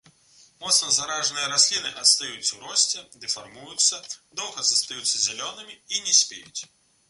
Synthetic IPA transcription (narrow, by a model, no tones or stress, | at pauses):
mɔt̪snɐzaɾaʐnɨjɐɾasʲlʲinɨʔɐt̪st̪ajut̪sːɐwɾɔsʲt͡sʲɛd̪ɛfarmujut̪sːɐd̪ɔwɣɐzɐst̪ajut̪sːɐzʲɛlʲɔnɨmʲiinʲɛsʲpʲejut͡sʲ